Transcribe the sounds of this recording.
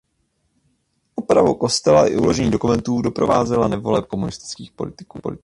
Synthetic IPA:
ʔopɾavowko̞st̪ɛlaʔɪ̰ʔṵlo̞ʒɛɲiːdo̞kumɛnt̪uːdo̞pɾo̞vaːzɛlanɛvo̞lɛp̚komunɪst̪ɪ̥t͡skiːxpo̞lɪt̪ɪ̥kːolɪ

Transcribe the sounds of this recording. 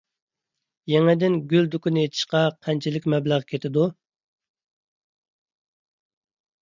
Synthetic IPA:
jɛŋɛd̪ɪnɡʲyld̪ukunɪjet̪ʰɪ̥ʃqɑqʰɛnt͡ʃʰilɪkʲmɛblæʁkʲʰet̪ʰɪd̪u

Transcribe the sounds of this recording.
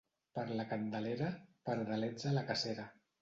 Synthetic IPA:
pəɾləkənd̪əleɾəpəɾðəlɛd͡zələkaseɾə

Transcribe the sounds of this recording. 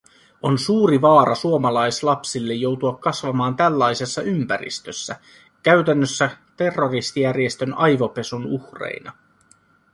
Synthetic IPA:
o̞nsuːɾiʋɑːɾɑsuomɑlɑjslɑpsilːe̞jːo̞wt̪uɑkːɑsʋɑmɑːnt̪ælːɑjse̞sːɑʔympæɾḭst̪øsːæ | kæɥt̪ænːøsːæt̪e̞rːo̞rist̪ijærje̞st̪ø̞nɑjʋo̞pe̞sunuxrḛjnɑ

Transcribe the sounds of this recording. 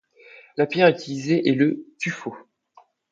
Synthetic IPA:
lapjɛʁyt̪ʰilizeʔɛlət̪yfo

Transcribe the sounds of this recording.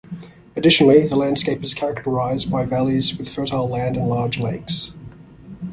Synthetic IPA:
ədɪʃənl̩ˠiðəlæ̃nd̥skeɪpɨz̥kʰæɹək̚təɹaɪzbaɪvælˠizwɪð̥fɜˑ˞tʰaɪlæ̃ndə̃nlɑːd͡ʒleɪks

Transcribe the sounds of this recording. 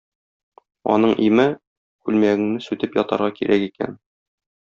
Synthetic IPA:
ɒ̰n̪ɤɴʔimɘ | kʉlmæɡɘ̆ŋnɘsʉt̪ɘpjɒt̪ɑ̰ɾʁɑkiɾʔækikæ̰n

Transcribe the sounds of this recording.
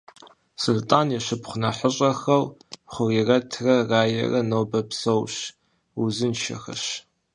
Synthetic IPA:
sɨltʼaːnjɛɕɨpχʷʊnɐħəɕʼɐxɐlχʷʊrirɐtʰrɐraːjɐ̰rɐnoːbɐpsowɕ | uzɨnʃɐ̰xɐ̰ɕ

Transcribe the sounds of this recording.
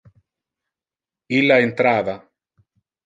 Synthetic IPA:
ilːaent̪ɾaːva

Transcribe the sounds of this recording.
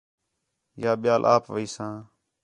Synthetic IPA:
jaːɓɪjaːlʔa̰ːpʋəiːsãː

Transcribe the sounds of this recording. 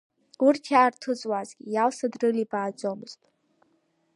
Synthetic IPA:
urtʰjaːrtʰɨt͡sʼwazɡʲijalsadrɨlibaːd͡zʼomɨz̥tʼ

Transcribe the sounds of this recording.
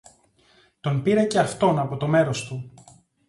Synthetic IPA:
t̪o̞npiɾɐce̞ɐft̪o̞nɐpo̞t̪o̞me̞ɾo̞st̪u

